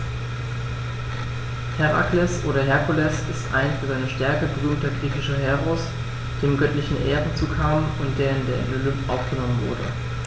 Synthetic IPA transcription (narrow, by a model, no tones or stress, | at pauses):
hɛʁa̰klɛsʔoːɾɐɦɛɐkʰulɛsɪstʔa̰ɪnfyːɐzaɪnəʃtɛɐkəbəʁyːmtɐɡʁiːçɪʃɐɦɛʁos | d̥eːmɡœtlɪçn̩ʔeːʁən̩t͡suːkʰaːmənʊnt̚d̥eːɐɪndeːɐɪ̰nolʏmtʔaʊfɡ̥ənɔmənvʊɐdə̰